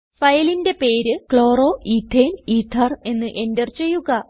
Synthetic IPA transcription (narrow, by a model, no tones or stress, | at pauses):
fɐjlinde̞pe̞ːɾɨkɭo̞ːro̞ːʔiːt̪ʰːeːniːt̪ʰːɐre̞nːɨʔe̞ndɐrt͡ɕe̞jːuɣɐ